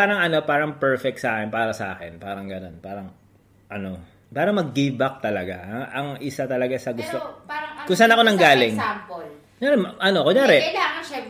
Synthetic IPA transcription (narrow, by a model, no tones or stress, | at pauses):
paːɾɐŋɐno̞paːɾɐŋpɛɹfɛk̚t̪sɐʔaːkɛnpaːɾɐsɐʔa̰ːkɛnpaːɾɐŋɡɐno̞npaːɾɐŋ | ʔɐno̞ | paːɾɐmɐɡːibɐk̚t̪ɐlɐɡa̰ʔɐŋʔɪsat̪ɐlɐɡasɐɡʊst̪okʊŋsanɐko̞nɐŋɡaːlɪŋkoɲaːɾɛmʔɐno̞koɲaːɾɛlːɐ